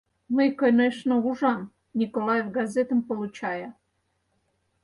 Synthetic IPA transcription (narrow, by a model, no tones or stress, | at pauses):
mɨkonʲeʂnəuʐɑm | nʲikolˠɑjevɡazʲet̪ə̆mpolˠut͡ɕɑjə